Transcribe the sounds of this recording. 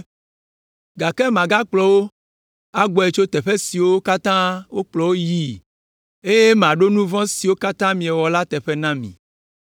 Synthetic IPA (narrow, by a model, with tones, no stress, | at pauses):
ɡa˨kɛ˦mã˨ɡa˦k͡plɔ˨wo˦ | a˦ɡ͡bɔ˨e˨t͡ʃo˦t̪ɛ˨ɸe˦si˨wo˦ka˦t̪ã˦wo˦k͡plɔ˨wo˦ji˦ | e˦je˦mẽ˨a˨ɖo˦nũ˦vɔ̃˦si˨wo˦ka˦t̪ã˦mĩ˨ɛ˨wɔ˨la˦t̪ɛ˨ɸɛ˦nã˦mḭ̃˨